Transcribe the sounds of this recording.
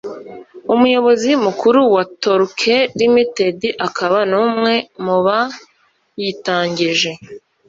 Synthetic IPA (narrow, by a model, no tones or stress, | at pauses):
umujo̞βo̞zimukuɾuwatoɾkʰeɾimite̞diʔakaβanuːmŋe̞muβa | jitaːɲɟiʒe̞